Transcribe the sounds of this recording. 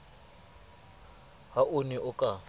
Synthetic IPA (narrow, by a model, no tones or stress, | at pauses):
haʊnɛʔʊkʼa